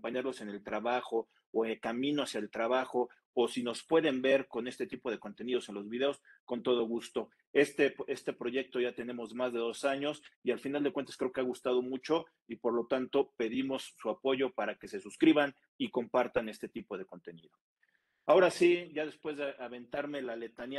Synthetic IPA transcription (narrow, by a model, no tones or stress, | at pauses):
mpaɲaɾlo̞se̞ne̞lt̪ɾaβaxo̞ː | elkamĩno̞asjaelt̪ɾaβ̞axo̞ | osino̞spwe̞ðe̞mbe̞ɾko̞ne̞st̪e̞t̪ipo̞ð̞e̞ko̞nt̪e̞nið̞o̞se̞nlo̞zβiðe̞o̞sko̞nt̪o̞ð̞o̞ɣust̪o̞ | est̪ee̞st̪e̞pɾo̞ʝe̞k̚t̪o̞ʝat̪e̞nẽ̞mo̞zmazðe̞ðo̞saɲo̞sialfinald̪ekwe̞nt̪askɾeo̞keaɣust̪að̞o̞mut͡ʃo̞ | ipo̞ɾlo̞t̪ant̪o̞pe̞ðimo̞sːuapo̞ʝo̞paɾake̞se̞suskɾiβan | iko̞mpaɾt̪ane̞st̪e̞t̪ipo̞ð̞e̞ko̞nt̪e̞nḭðo̞ | ao̞ɾasiɟ͡ʝaðe̞spwe̞zðeʔaβe̞nt̪aɾme̞lale̞t̪anj